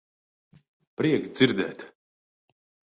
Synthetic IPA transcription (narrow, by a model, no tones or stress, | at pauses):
pɾiɛkd̪ziɾd̪ɛːt̪